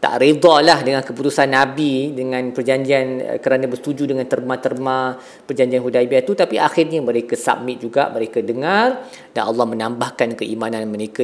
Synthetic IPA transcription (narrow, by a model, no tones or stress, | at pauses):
t̪a̰ʔɾid̪ɔlahdəŋãnkəput̪usanːabidəŋãnpərd͡ʒaɲd͡ʒian̰kəɾanãbərst̪ud͡ʒudəŋant̪ərmãt̪ərmã | pərd͡ʒaɲd͡ʒianɦudajbiat̪ut̪apiʔaxirɲamə̃ɾekasa̰mɪt̪̚d͡ʒuɡa̰ʔməɾekadəŋar | danɑlːɑhmə̃nãmbahkankəimãnãnməɾeka